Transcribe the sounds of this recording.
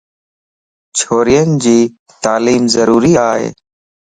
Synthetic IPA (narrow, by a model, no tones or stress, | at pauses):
t͡ʃʰoːɾijənd͡ʒiː | t̪aːliːmzəɾuːɾiːaːɦḛː